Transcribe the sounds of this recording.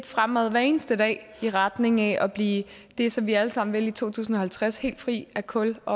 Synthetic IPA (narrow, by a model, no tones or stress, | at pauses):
d̥fʁamɛðˠʋæɐe̝ːnəsd̥əd̥ɛ̰ːiʁad̥ne̝ŋæʔɒb̥liː | d̥e̝sɒ̽mʋiæləsɑ̈m̰n̩ʋelit͡sʰo̝̰ːt͡sʰṵːsn̩ɒ̽hælt͡sʰʁashe̝̰ːld̥fʁḭːækʰɔ̽lɒ̽